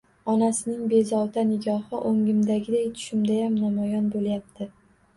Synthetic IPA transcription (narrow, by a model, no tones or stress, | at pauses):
ɒnasɪnɪŋbe̞zɒwt̪ʰanɪɡʲɒhɨʔoŋɪmd̪aɡʲɪd̪ajt̪ʰʊ̥ʃɪmd̪ajamnamɒjɒnbolˠjap̚t̪ʰɪ